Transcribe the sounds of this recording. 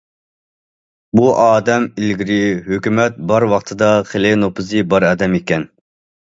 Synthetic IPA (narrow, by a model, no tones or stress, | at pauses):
buʔɑːd̪ɛmilɡʲiɾɪɦøkʲymɛt̪̚bɑɾwɑqt̪ʰɨd̪ɑχelɪnopʰɨzɨbɑɾɑːd̪ɛmekʲɛn